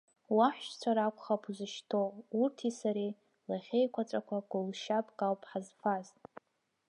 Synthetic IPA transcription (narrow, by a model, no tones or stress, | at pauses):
waħʷʃt͡ʃʷʰaɾakʷʼχapʰuzɨʃtʰourtʰisaɾi | laχʲejkʷʰat͡ʃʷʼakʷʰaɡʷʊlʃapʼkʼawpʼħazfaztʼ